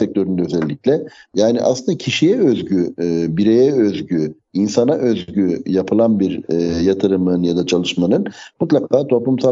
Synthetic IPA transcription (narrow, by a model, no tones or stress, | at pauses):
ɛc̚t̪ʰø̞ɾynd̪ɛøzɛlʲːiclʲɛjaːniʔa̰slɯnd̪acʰiʃijɛøzɟybiɾejɛøzɟy | insanaʔøzɟyjapʰɯlˠanbiɾjat̪ʰɯɾɯmɯnjad̪at͡ʃʰalˠɯʃmanɯnmut̪lˠakʰaːt̪ʰo̞plˠumsa